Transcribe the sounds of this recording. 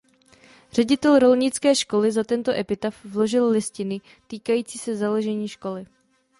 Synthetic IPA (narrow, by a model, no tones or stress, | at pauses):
r̝̥ɛɟɪt̪ɛlɾo̞lɲɪt͡skɛːʃko̞lɪzat̪ɛnt̪oʔɛpɪt̪afvlo̞ʒɪllɪscɪnɪ | t̪iːkajiːt͡siːsɛzaloʒɛɲiːʃko̞lɪ